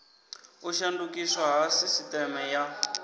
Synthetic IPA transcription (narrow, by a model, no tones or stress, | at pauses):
uʃandukiswaɦasisitɛmɛja